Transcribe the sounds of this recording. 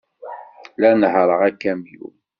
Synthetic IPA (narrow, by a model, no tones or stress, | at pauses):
lænhɾˤəʁækːæmjṵ